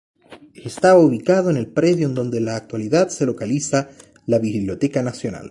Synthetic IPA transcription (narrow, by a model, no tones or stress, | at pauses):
est̪aβauβikaðoenelpɾeðjoend̪o̞nd̪elaːk̚t̪waliðaðse̞lo̞kalisa | laβiββljo̞t̪ekanasjo̞na̰l